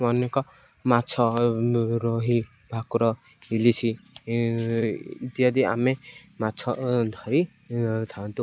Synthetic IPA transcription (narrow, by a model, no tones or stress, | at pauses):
wʌnekɔ | mat͡sʰɔ | ɾoɦi | bʱakuɾɔ | ilisi | it̪iʌd̪ia̰memat͡sʰɔd̪ʱʌɾi | t̪ʰant̪u